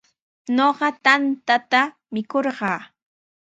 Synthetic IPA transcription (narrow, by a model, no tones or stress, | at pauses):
noɢɑt̪ant̪at̪a | mɪkoɾɢɑː